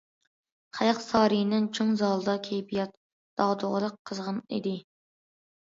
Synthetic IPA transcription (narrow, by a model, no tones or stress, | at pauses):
χæjɑqsɑːɾijnɪŋt͡ʃʰoŋzɑlˠɨd̪ɑkʲʰejpijɑt̪̚ | d̪̥ɑʁd̪oʁəɾəqʰːəzʁənḭd̪ɪ